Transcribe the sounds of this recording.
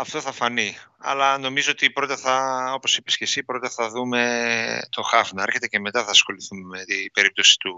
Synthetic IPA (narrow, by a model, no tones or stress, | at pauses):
ɐft̪o̞θɐfɐniɐ̰lɐno̞mizoot̪ipɾo̞t̪ɐθɐo̞po̞sipe̞sce̞sipɾot̪ɐθɐðume̞t̪o̞xɐvnɐeɾçe̞t̪e̞ce̞me̞t̪ɐθɐːsxo̞liθumemet̪ib̥e̞ɾip̚t̪o̞si̥t̪u